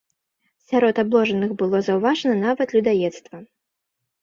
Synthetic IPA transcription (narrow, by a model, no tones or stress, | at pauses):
sʲaɾɔt̪ablˠɔʐɐnɨxbɨlˠɔzɐwvaʐɐnɐnavɐt̪lʲud̪ajɛt̪st̪vɐ